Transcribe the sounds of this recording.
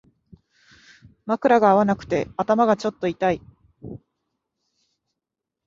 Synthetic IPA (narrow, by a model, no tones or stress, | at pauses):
makɯ̟ɾaɡaːβanakɯ̟̥t̪e̞at̪amaɡat͡ɕo̞t̪ːo̞it̪ai